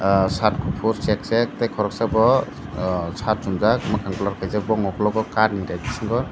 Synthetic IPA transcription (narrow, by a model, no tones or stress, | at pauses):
satkʰupʰuɾseksek̚tekʰɔɾɔk̚sabɔ | sat̚sumzak̚makʰaŋpɔlaɾkʰajzabɔŋɔkʰɔlɔɡɔkaɾnidajdisiŋɡɔ